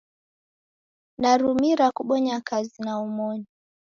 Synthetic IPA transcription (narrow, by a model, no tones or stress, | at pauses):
ndaɾumiɾakuɓɔɲakazinaumɔɲɔ